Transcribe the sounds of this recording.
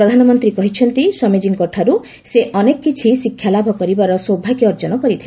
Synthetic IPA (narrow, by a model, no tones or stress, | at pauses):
ɾɔd̪ʱanɔmɔnt̪ɾikɔɦit͡ʃʰɔnt̪iswamid͡ʒiŋkɔʈʰaɾu | seʔɔnekɔkːit͡ʃʰisikʰjalabʱɔkɔɾibaɾɔsobʱakiɔɾd͡ʒɔnɔkɔɾit̪ʰile